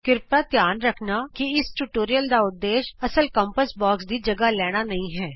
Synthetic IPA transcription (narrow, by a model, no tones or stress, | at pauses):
kɪɾpaːt̪jaːnɾəkʰnaːkɪɪsʈuʈoːɾijəld̪aːʊd̪ːeːʃəsəlkəmpəsbɔːksd̪iːd͡ʒəɡaːlɛːɽ̃aːnəĩːɦɛː